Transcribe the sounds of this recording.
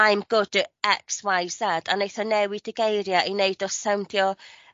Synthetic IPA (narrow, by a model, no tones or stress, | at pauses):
aɨmɡ̥ʊdɛkswajsad̥anejθɔnɛwidɪɡejɾjaʔineɨdɔsawndjɔ